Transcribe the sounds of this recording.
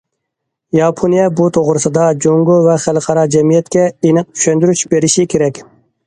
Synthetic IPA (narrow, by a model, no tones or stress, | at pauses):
jɑpʰonijɛbut̪ʰoʁɾɨsɨd̪ɑd͡ʒoŋɡovɛχælˠqʰɑɾɑd͡ʒɛmijɛt̪kʲɛenɨq̚t͡ʃ̪ʰy̥ʃønd̪yɾyt͡ʃbeɾɪʃɪkʲʰeɾɛkʲ